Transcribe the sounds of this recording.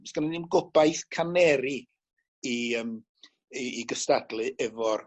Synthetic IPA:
sɡənɛnɪmɡʊbajθkʰanɛɾi | iəm | iːɡəstadlˠɨʔɛvɔr

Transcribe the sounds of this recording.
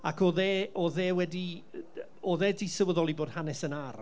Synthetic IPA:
akʰɔðɛːɔðɛːwɛdi | ɔðɛːdisəwəðɔlˠiboːd̥hanɛsənar

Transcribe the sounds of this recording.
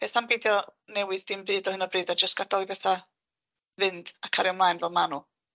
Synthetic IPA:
b̥eːθambeːdjɔnɛwɨðd̥ɪmbɨːdɔhənɔbrɨːdad͡ʒəstɡ̥adɔlˠibɛθa | vɨnd̥akʰaɾɛwnmlˠajnvɛlˠmanu

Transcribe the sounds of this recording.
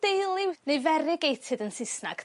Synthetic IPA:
d̥ejlˠɪwnejvɛɾɪɡejtʰɨðənsɪsna̰ɡ̥

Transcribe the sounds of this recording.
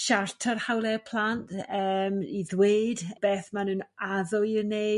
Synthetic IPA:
ʃartʰɔrhawlˠɛpʰl̥ˠantʰəːmiðweːdb̥eːθmanɨːnaðɔirneː

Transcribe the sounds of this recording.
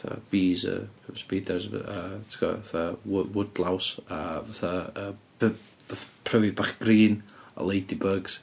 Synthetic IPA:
tʰa̰b̥iːzə̰spiːdɛsətʰkɔ̰vaθawʊwʊdlˠawsavaθaəːb̥ | vaθapʰrəvɪbaχɡ̥riːnɔ̰lˠejdibəɡz̥

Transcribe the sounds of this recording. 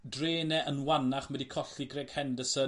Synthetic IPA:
dreːnɛʔənwanaχmɛdikʰɔɬiɡreːɡ̥hɛndəsə

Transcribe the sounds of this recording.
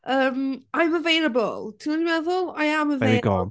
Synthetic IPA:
əːmajməvejlˠəbə̰lˠtʰinɔdimɛðʊlˠajaməveɡɔ̰

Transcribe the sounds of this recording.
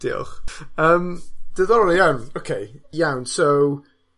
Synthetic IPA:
d̥iɔ̰χəmd̥əðɔəlˠijawnokʰejjawnsow

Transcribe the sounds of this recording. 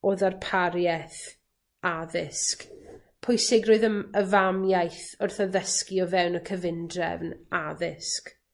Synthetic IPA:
oːðarpʰaɾjɛθ | aðɪsk | pʰʊjsɪɡroːɨðəməvamjajθʊrθɔðəskɪɔvɛwnəkʰəvɪndrɛ̰vnaðɪsk

